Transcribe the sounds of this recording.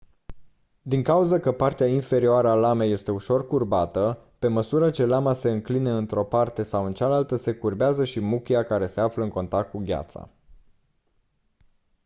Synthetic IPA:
d̪iŋkauzəkəpart̪eainfe̞ɾioaɾəalame̞je̞st̪e̞uʃo̞rkurbat̪əpe̞məsuɾət͡ʃe̞lamase̞ɨŋklineɨnt̪ɾo̞part̪e̞sawɨnt͡ʃalalt̪əse̞kurbeazəʃimukʲiakaɾe̞se̞afləɨŋko̞nt̪ak̚t̪̚kuɡʲa̰t̪sa̰

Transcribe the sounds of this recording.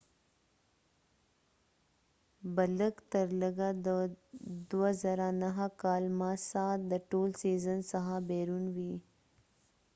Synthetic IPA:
bɐləkt̪əɾləɡa | d̪uəzəɾanɐɦəkaːlmãsaːd̪əʈoːlsiːzənsɐɦabeːɾunʋiː

